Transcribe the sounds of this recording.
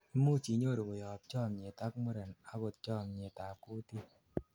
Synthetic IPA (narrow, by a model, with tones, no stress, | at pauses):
i˦mu˦˨t͡ʃi˨ɲo˦˨ɾo˨ɡo˨jɔ˨p̚t͡ʃɔ˦˨mɲe˨ta˦kmʊ˦ɾɛ˨na˦ɡo˨t̪̚t͡ʃɔ˦˨mɲe˨ta˨ku˦t̪i˦